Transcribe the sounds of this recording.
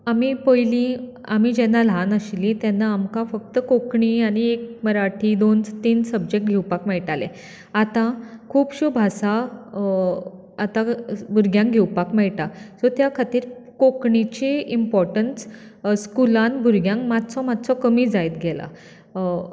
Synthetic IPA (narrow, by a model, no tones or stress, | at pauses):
amiːpəjlĩ | amid͡ʑɛnːalanəɕlĩt̪janːaːmkãfək̚t̪əkokɳiaɽ̃iek̚məɾaʈʰid̪ont͡st̪iːnsəb̚d͡ʑek̚ʈ̚ɡʱewpakmɛɭʈalḛ | at̪ãkʰuːpɕubʱasa | at̪ãbuɾɡjãŋkɡʱewpakmɛɭʈasɔt̪jakʰat̪iːɾkokɳit͡ɕeimpɔɾʈənsskulanbʱuɾɡjãŋkmat̪t͡sɔmad̪t͡sɔkəmid͡zajt̪ɡʱɛla̰